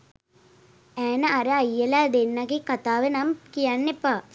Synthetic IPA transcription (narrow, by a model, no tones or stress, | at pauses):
ɛːnɐɐɾɐɐjːɐlaːd̪enːɐɡikɐt̪aːʋenɐmkijanːepːa